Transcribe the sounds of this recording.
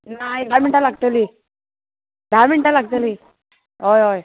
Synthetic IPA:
naibʱamiɳʈalaɡt̪əliː | bʱamiɳʈalaɡt̪əliː | ɦojɦoj

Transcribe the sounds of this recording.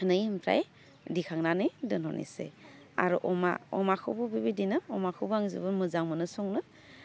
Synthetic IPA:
nɯjɯmpʰɾa̰j | dikʰaŋnanɯjdɯnhɔ̰nḭsḛ | a̰ɾuʔɔma̰ɔmakʰɯ̰bɯbibidinɯɔmakʰɯbaŋzɯ̰bɯnmɯzaŋmɯnɯsɔŋnɯ

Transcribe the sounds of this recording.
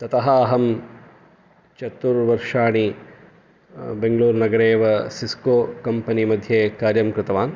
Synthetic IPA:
t̪ɐt̪ɐɦɐːɦɐm | t͡ʃɐt̪ːuɾʋɐɾʂaːɳi | beŋɡɭuːɾnɐɡɐɾeːʋɐsiskoːkɐmpɐnimɐd̪ʱjeːkaːɾjɐmkɾɪt̪ɐʋaːn

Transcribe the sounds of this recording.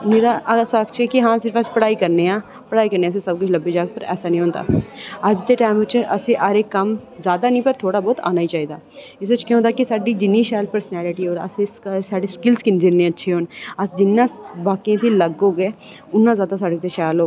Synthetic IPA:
meːɾaʔɐɐsaɐkt͡ʃʰekiɦãːsɪɾfɐspɐɽaːikɐɾneãː | pɐɽaːikɐɾnẽɐs̬esɐb̚kʊt͡ʃʰlɐbːid͡ʒaːɡ̚pɐɾɛ̰ːsanɐɦĩɦõːnt̪a̰ːad͡ʒt̪eʈaːɪmot͡ʃʰeɐseʔɐɾekɐmzjaːd̪anĩpɐɾt̪ʰoːɽabɔːt̪a̰ːnaːit͡ʃaːid̪aː | ɪs̬ɐt͡ʃkjõõːnd̪akisaːɖid͡ʒɪnːiʃaːjlpəɾsnɛːlɪʈioːɾɐ̰sessaːɖiskɪlskind͡ʒɪɾnẽɐtːʃʰioːnasd͡ʒɪnːãbaːkiãt̪ʰilɐɡoːɡeː | ʊnːãzjaːd̪as̬aːɖet̪ʰeʃaːjloː

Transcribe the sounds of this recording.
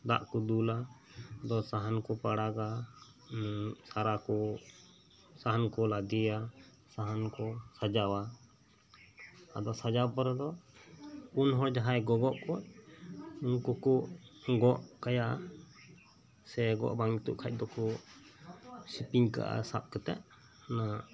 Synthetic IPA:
d̪a̰ʔkɔd̪ula | d̪ɔsaɦankɔpaɽaɡa | saɾakɔ | saɦankɔlad̪ija | saɦankɔsad͡ʒawa | ad̪ɔsad͡ʒapɔɾɛd̪ɔ | unɦɔd͡ʒaɦajɡɔɡɔʔkɔʔ̚ | unkɔkuʔɡɔʔkajaʔa | sɛɡɔ̰ʔbaŋit̪ṵʔkʰac̚ˀd̪ɔkɔ | sipiɲka̰ʔa̰sap̚kɛt̪ɛ̰ʔ | na

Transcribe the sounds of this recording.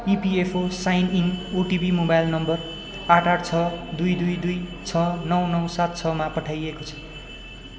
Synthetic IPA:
ipiepʰosajninoʈibimobajlnʌmbʌr | aʈʰaʈt͡sʰʌd̪ujd̪ujd̪ujt͡sʰʌnʌwnʌwsat̪̚t͡sʰʌmapʌʈʰajekot͡sʰʌ̥

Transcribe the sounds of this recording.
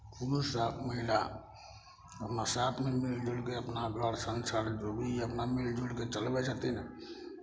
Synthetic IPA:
pʰulusaməɦila | əpnasat̪ʰmemild͡ʒuɽkeəpnaɡʱəɽsənsəɽd͡ʒobʱiəpnamild͡ʒuɽket͡ʃəlbɛsət̪inə

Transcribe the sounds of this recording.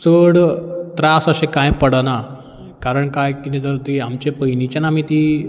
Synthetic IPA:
t͡səɽt̪ɾasəɕẽkãjpəɽana | kaɾəɳkajkinĩt̪əɾt̪iamt͡ɕepəjnit͡ɕanam̤iːt̪i

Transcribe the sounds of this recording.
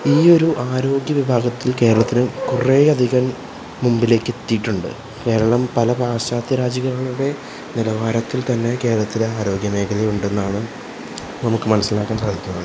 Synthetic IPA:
iːo̞ɾuʔaːɾo̞ːɡjɐʋibʱaːɡɐt̪ːilke̞ːɾɐɭɐt̪ːinɨkureɐd̪ʱiɣɐn | mumbile̞ːkːe̞t̪ːijiʈːuɳɖɨ̰ | ke̞ːɾɐɭɐmpɐlɐbʱaːɕaːt̪jɐɾaːd͡ʑɐɣɐɾɐɭuuɽe̞ | nilɐʋaːɾɐt̪ːilt̪ɐnːe̞ke̞ːɾɐɭɐt̪ːileaːɾo̞ːɡjɐne̞ːkʰɐlejuɳɖe̞nːaːɳɨ | nɐmukːɨmɐnɐsːilaːkːaːns̬aːd̪ʱikʲːunɐð

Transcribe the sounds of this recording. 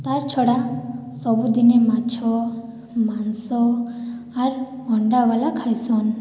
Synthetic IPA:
t̪aɾt͡ʃʰɔɽasɔbud̪inemat͡ʃʰɔ | mansɔ | aɾ | ɔɳɖaɡɔlakʰajsɔn

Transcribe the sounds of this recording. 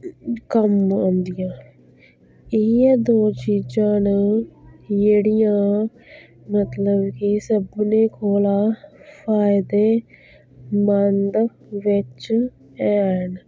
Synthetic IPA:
kəmõːnd̪ijãː | ɪiɛːd̪oːt͡ʃiːd͡ʒãːn | jeːɽijãː | mət̪ləbkisəbneːkʰoːlaːpʰaːɪd̪eː | mənd̪ | ʋɪt͡ʃ | ɛːn

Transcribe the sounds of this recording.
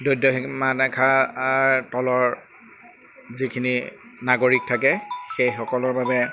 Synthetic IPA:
dojdɔxmanɛkʰaaɹtɔlɔɹ | zikʰininaɡoɹik̚tʰakɛxejxɔkɔlɔɹbabɛ

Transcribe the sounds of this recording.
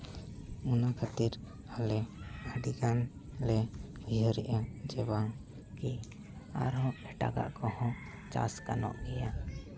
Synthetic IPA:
unakʰat̪iɾ | alɛəɖiɡanlɛbʱiɦɔɾɛʔad͡ʒɛbaŋ | ki | a̰ɾɔ̃ɛʈa̰ɡa̰ʔkɔhɔ̃ | t͡ʃa̰skanɔ̰ʔɡɛja

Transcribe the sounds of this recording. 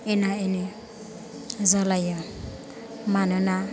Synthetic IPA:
ɛnaeni | zɔlajɔ | manɔna

